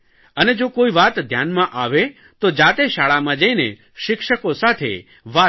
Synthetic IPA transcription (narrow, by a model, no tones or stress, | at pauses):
əned͡ʒokoiʋat̪d̪ʱjanmãʔaʋe | t̪od͡ʒat̪eʃaɭamãd͡ʒəinḛ | ʃɪkʃəkosat̪ʰḛ | ʋa